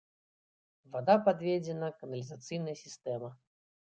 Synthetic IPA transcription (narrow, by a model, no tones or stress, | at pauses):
vad̪apad̪vʲed͡zʲɛnɐkɐnɐlʲizat̪sɨjnɐjsʲist̪ɛmɐ